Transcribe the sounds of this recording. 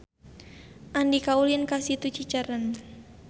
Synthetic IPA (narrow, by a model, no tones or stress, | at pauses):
ʔandikaulinkasit̪ut͡ʃit͡ʃaɾən